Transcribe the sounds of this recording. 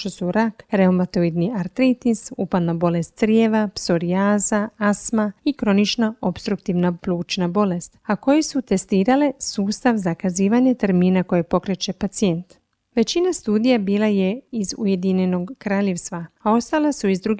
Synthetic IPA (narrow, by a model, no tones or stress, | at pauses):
t̪osuɾakɾeomat̪o̞id̪niaɾt̪ɾit̪isupad̪nabo̞le̞st̪sɾjeʋapso̞ɾiaːzaasmaikɾo̞nit͡ʃnao̞pst̪ɾuk̚t̪iʋnapluːt͡ʃnabo̞le̞st̪ako̞jesut̪e̞st̪iːɾale̞suːst̪aʋzakaziːʋaɲet̪eɾmiːnako̞jepo̞kɾe̞t͡ɕe̞pat̪sie̞nt̪ | ʋe̞t͡ɕinast̪uːd̪ijabiːlajeizṵje̞d̪iɲeno̞ɡkɾaːʎe̞ʋst̪ʋaao̞st̪alasuizd̪ɾuɡ